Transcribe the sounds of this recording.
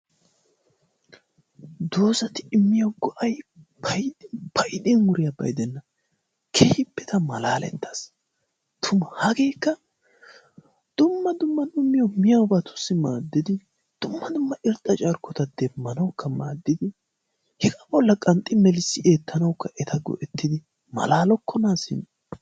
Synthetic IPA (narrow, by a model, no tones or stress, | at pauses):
d̪oːsɐt̪ɪɪmːɪjɐwɡɔʔɐjb̥ɐjd̪ɪb̥ɐjd̪ɛnwʊɾɪjabɐ̰jd̪ɛnːɐ | kʰeːhɪpːɛt̪ɐmɐlaːlɛ̰t̪ːɐ̥s | t̪ʰʊmɐhɐɡe̞ːkːɐ | d̪̥ʊmːɐd̪ʊmːɐd̪ʊmːɪjɐwmɪjɐwbɐt̪ʰʊ̥sːɪmaːd̪ːɪd̪ɪ | d̪̥ʊmːɐd̪ʊmːɐʔɪɾt̪ʼːɐt͡ʃʼɐɾkːɔt̪ɐd̪̥ɛmːɐnɐwkːɐmaːd̪ːɪd̪ɪ | hɛɡɐbɔlːɐkʼɐnt̪ʼːɪmɛlɪsːɪʔe̞ːt̪ʰːɐnɐwkːɐʔɛt̪ʰɐɡɔ̰ʔɛt̪ːɪd̪ɪ | mɐ̰laːlɔkːɔnaːsɪ̰n